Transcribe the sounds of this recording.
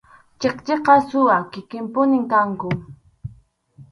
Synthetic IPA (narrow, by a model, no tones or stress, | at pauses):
t͡ʃeqt͡ʃeqɑsʊwakɪkɪmpʊnɪŋkaŋkʊ